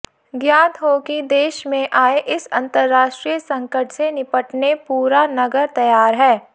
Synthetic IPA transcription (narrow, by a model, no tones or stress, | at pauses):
ɡjaːt̪ɦokid̪eːʃmẽʔaːeʔɪsɐ̃nt̪əɾːaːʃʈɾijəsɐ̃ŋkəʈsenɪpəʈnepuːɾanɐɡəɾt̪ɐjaːɾɦɛː